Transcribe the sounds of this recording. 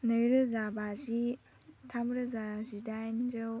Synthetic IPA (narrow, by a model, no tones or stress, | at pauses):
nɯjɾɯzabazi | tʰamɾɯzazidajnd͡ʒɯw